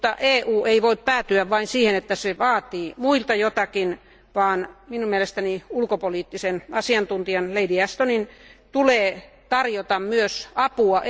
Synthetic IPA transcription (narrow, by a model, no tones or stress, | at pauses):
t̪ːɑ̰ʔeːʔuːeiʋoippæːt̪yæʋʋɑinsiːhenet̪ːæseʋɑːt̪iːmuilt̪ɑjot̪ɑkin | ʋɑːnminumielest̪æniulkopoliːt̪ːisenɑsiɑnt̪unt̪iɑnleidiɑst̪onint̪uleː | t̪ɑrjot̪ɑmmyøsɑpuɑ